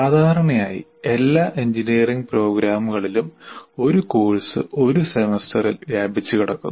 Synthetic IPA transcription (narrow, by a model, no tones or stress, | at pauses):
saːd̪ʱaːɾɐɳɐjaːjḭe̞lːaːʔeɲd͡ʑiniːriŋɡpro̞ːɡɾaːmuɣɐɭilumo̞ɾukoːɻsɨ̰o̞ɾusemestʰɐrilʋjaːbʱit͡ɕːukiɽɐkːṵnː